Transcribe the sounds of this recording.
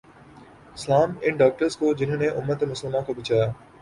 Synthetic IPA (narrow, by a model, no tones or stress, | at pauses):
ɪslaːmɪnɖaːk̚ʈəɾzkʰoːd͡ʑɪn̤ənẽʔʊmːət̪mʊsəlmãkʰoːbɪt͡ɕaːjaː